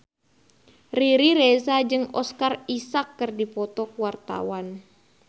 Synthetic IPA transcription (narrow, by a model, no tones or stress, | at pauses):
riɾiɾesad͡ʒɨŋɔskarisakːɨrdipɔt̪ɔkuwart̪a̰wan